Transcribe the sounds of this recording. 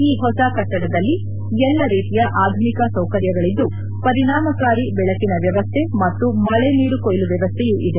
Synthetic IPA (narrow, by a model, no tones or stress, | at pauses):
iːɦɔsɐkɐʈːɐɽɐd̪ɐlːi | ɛlːɐɾiːt̪ijɐʔaːd̪ʱumikɐsɐwkɐɾjɐɡɐɭid̪ːu | pɐɾiɳaːmɐkaːɾibɛɭɐkinɐʋjɐʋɐst̪ʰemɐt̪ːumɐɭeniːɽukojluʋjɐʋɐst̪ʰɛjuʔid̪e̞